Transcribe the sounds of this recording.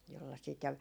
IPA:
jolːɑ sit jɑ

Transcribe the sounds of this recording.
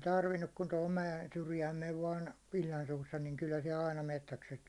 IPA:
tɑrʋinːuk kun tohom mæjen syrjæːm meʋ ʋɑːn ilʲːɑn suːsːɑ niŋ kylːæ siɛl ɑinɑ metːækset

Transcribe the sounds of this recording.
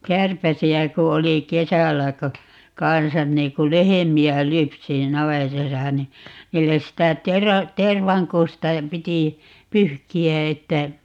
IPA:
kærpæsiæ ku oli kesælːæ ko kɑnsɑn niː ku lehemiæ lypsi ni nɑʋetɑsɑ ni niːlːes sitæ terɑ terʋɑŋkustɑ piti pyhkiæ etːæ

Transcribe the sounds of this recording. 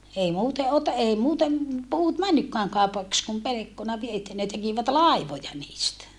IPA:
ei muːte ote ei muːtem puːt mænːykːæːŋ kɑˑupɑks kum pelekːonɑ ʋie etːæ ne tekiʋæt lɑˑiʋojɑ niːstæ

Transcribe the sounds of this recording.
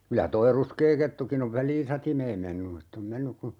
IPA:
kylæ toi ruskeː ketːukin oʋ ʋælˑiːn̞ sɑtimeːm menːu etː om menːyk ku

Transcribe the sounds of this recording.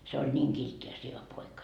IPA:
se olʲ niːŋ kiltːi jɑ sieʋæ poikɑ

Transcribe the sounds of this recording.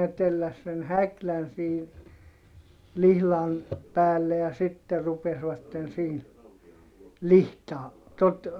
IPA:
ne telːæs sen hæklæn siː lihlɑn pæːlːe jɑ sitːe rupesʋɑtːen siːn lihtɑː tot

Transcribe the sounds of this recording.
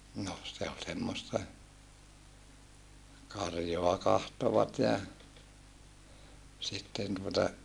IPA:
noh se ol semːostɑ kɑrjoɑ kɑhtoʋɑt jɑ sitːen tuotɑ

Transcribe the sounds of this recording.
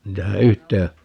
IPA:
niːtæhæ yhteː

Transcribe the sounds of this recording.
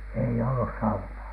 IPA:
ei olːus sɑunɑː

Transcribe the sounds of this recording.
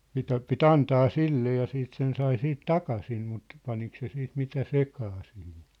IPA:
mitæ pit ɑntɑː silːe jɑ siːt sen sɑi siːt tɑkɑsim mut pɑnik se siːt mitæ sekɑː sihin

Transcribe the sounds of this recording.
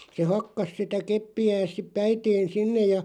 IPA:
se hɑkːɑs sitæ kepːiæːs sip pæiteːn̞ sinːej jɑ

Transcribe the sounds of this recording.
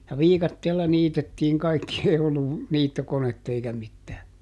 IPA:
jɑ ʋiːkɑtːeːlːɑ niːtetːiːŋ kɑikːi ei olːu niːtːokonetː eikæ mitːæː

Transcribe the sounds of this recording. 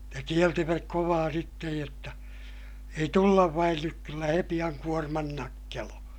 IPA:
jɑ kieltiʋæk koʋɑː sitːej jotːɑ ei tulːɑʋ ʋɑin nyk kylːæ he pij̆ɑŋ kuormɑn nɑkːeloː

